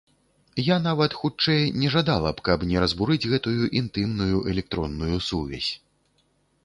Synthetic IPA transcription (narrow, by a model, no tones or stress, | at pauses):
janavɐt̪xut͡ʂɛjnʲɛʐad̪alˠɐpkɐpnʲɛɾɐzbuɾɨd͡zʲɣɛt̪ujuʔint̪ɨmnujuʔɛlʲɛk̚t̪ɾɔnːujusuvʲɛ̰sʲ